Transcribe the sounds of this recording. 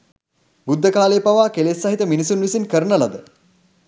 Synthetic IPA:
bud̪ʱːəkaːlejpaʋaːkelesːɐɦit̪əminisunʋisinkəɾənəlad̪ə

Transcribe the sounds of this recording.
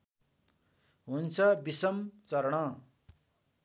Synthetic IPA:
ɦunt͡sʰʌbisʌmt͡sʌɾɳʌ

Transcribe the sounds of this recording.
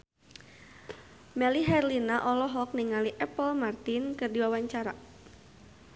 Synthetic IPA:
mɛliɦɛrlinaʔɔlɔɦɔk̚niŋaliʔɛpəlmart̪inkərdiwawaɲt͡ʃaɾa

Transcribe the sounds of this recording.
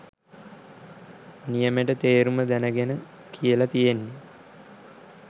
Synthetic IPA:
nijəmeʈət̪eːɾuməd̪ænəɡenə | kʰijəlat̪ijenːe

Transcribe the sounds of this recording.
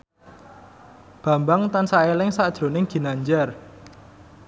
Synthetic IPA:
b̥ä̤mbaŋt̪ansaelɪŋsaʔd̥ʒ̥ɾo̤nɪŋɡ̥i̤naɲd͡ʒar

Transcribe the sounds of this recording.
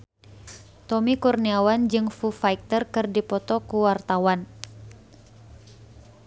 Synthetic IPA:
t̪ɔmikurniawand͡ʒɨŋfufaik̚t̪ərkɨrdipɔt̪ɔkuwart̪awan

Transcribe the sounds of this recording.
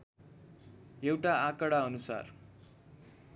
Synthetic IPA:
jewʈaakʌɽaʌnusa̰r

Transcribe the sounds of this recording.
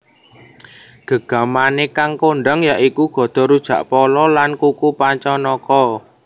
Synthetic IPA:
ɡ̥ə̤ɡ̥a̤manekaŋkoɳɖəŋjaʔikuɡ̥ɔ̤d̪̥ɔ̤ɾud̥ʒ̥ä̤ʔpɔlɔlankukupaɲt͡ʃɔnɔkɔ

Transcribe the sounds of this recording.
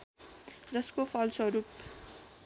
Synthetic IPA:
d͡zʌskopʰʌlsʌɾup

